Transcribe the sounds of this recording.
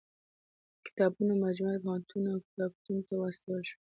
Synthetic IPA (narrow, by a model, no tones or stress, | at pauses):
kɪ̥t̪ɑbunomad͡ʒmalpaant̪ʰunawkɪ̥t̪ɑb̚t̪unt̪awast̪awalʃ